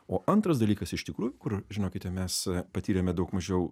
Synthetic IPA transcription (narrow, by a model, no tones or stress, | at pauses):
oːʔɐnt̪ɾɐsd̪ɐlʲiːkɐsɪʃt̪ʲɪkɾuːjʊkʊɾʒʲɪnoːkʲɪt̪ʲɛmʲɛspɐt̪ʲiːɾʲɛmʲɛd̪ɐʊkmɐʒʲɛʊ